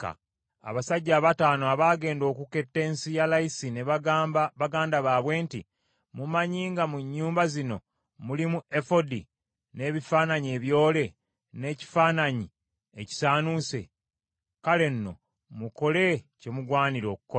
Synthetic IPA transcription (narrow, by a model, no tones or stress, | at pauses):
ka̰ | a̰βasaɟːaːβataːnoaβaːɡe̞ːndo̞ːkuke̞tːe̞ːnsijalajisineβaβaɡaːndaβaːβwe̞ːnti | mumaɲiːŋɡamuɲːuːmbazino̞ | mulimue̞fo̞di | ne̞ːβifaːnaɲie̞ːβjo̞ːle̞ | ne̞ːci̥faːnaɲi | eci̥saːnuse̞̰ | kale̞nːo̞̰ | muko̞le̞ce̞muɡwaːniɾo̞ːku̥ko